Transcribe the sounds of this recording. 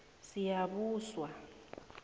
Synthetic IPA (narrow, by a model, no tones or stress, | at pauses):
sijaɓuːswa